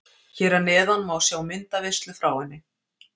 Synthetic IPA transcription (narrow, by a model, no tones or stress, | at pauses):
çɛːɾanɛːðanmawsjaːwmɪnt̪avɪst̪lʏfɾaːwɪnːɪ